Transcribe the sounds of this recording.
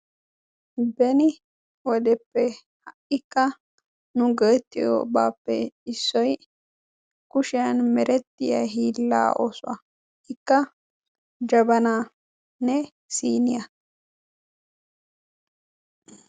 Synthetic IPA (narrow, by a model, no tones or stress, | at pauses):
bɛnɪ | wɔd̪ɛpːɛ | hɐʔɪkːɐ | nʊɡeːt̪ːɪjo̰ːbaːpːɛ̰ɪsːɔj | kʊʃɪjɐnmɛɾɛt̪ːɪjɐ̰ɦiːlːa̰ːʔo̰ːsʊɐ̰ | ɪkːɐ | d͡ʒɐbɐnaː | nɛ | siːnɪjɐ